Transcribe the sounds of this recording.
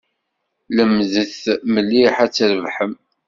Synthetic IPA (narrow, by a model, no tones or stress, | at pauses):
ləmːðəθməlːiħæt͡sːɾəvħəm